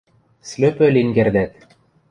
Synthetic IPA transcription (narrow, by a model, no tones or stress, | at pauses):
sløpø̆liŋɡerd̪æt̪